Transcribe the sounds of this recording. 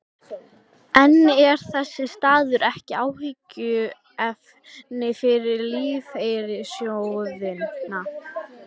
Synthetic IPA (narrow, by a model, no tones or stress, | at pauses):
ɛnːɛɾ̥θɛsːɪst̪aːðʏɾɛhcɪaːwhɪcːʏ | ɛf | nɪfɪɾɪɾliːvejɾɪsjowðɪna